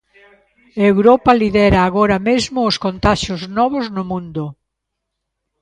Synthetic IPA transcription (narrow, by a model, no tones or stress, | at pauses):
ewɾɔpaliðɛɾaːɣoɾamezmʊːskont̪aʃjoznɔβ̞oznʊmũnd̪ʊ